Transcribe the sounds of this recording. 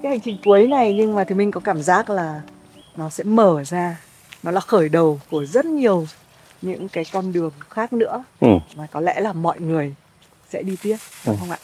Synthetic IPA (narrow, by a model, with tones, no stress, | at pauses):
kaː˨˦jha˨˩jŋ̟t͡ɕï˨˩ŋ̟ku˨˦əjna˨˩jɲɨ˧ŋmaː˨˩t̪ʰɨ˨˦mï˧ŋ̟kɔ˨˦kaː˧˩mzaː˦˥t̚laː˨˩ | nɔ˨˦sɛ̰˧˥məː˧˩zaː˧ | nɔ˨˦laː˨˩xəː˧˩jɗə˨˩wku˧˩əzə˦˥t̚ɲi˨˩əw | ɲɨ̰˧˥ŋkaː˨˦jkɔ˧nɗɨ˨˩əŋxaː˦˥k̚nɨ̰˧˥ə˧vaː˨˩kɔ˨˦lɛ̰˧˥laː˨˩mɔ̰˧˨jŋɨ˨˩əj | sɛ̰˧˥ɗi˧t̪i˦˥əp̚ə˧wŋ͡mʔa̰ː˧˨